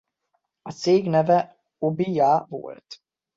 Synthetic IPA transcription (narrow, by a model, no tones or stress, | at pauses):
ɒt̪seːɡnɛvɛ | obijavo̰lt̪